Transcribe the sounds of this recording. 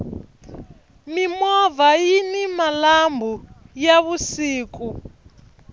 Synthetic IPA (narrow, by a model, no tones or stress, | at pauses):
mimɔvajinimalambujaβusiːku